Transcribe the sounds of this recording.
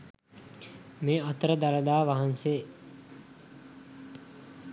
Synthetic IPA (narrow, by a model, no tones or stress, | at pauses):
meːɐt̪əɾəd̪aləd̪aːʋaɦanseː